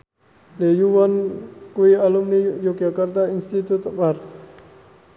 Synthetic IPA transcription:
lejuʋənkoialumnijoɡjəkəɾt̪ainst̪it̪ut̪paɾ

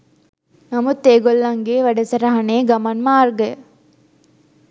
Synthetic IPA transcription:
nɐmut̪ːeːɡolːɐŋɡeːʋɐɖɐsɐɾɐɦɐneːɡɐmɐnmaːɾɡɐ

